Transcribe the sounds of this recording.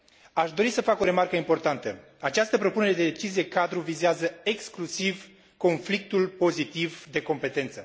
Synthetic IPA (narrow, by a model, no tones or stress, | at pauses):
aʃd̪o̞ɾisəfako̞ɾe̞markəimpo̞rt̪ant̪ə | at͡ʃast̪əpɾo̞pune̞ɾe̞d̪e̞d̪e̞t͡ʃizie̞kad̪ɾuvizeazəe̞ksklusiv | ko̞nflik̚t̪ulpo̞zit̪ivd̪e̞ko̞mpe̞t̪e̞nt̪sə